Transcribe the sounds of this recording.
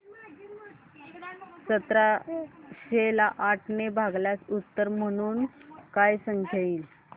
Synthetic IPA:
t͡ɕət̪ɾa | ɕelaʔaʈʰnebʱaɡljasut̪ːəɾməɽ̃uːnkajsəŋkʰaiːl

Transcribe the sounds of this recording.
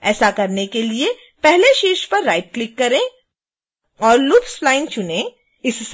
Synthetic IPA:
ɛːsakɐɾnekelie | pɛɦleʃiːɾʃpɐɾːaːɪʈ̚klɪkːɐɾẽ | ɔːɾlʊpsflaːɪnt͡ʃʊnẽ | ɪss

